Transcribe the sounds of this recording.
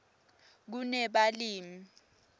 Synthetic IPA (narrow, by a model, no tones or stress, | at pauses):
k̬unɛɓaliːmi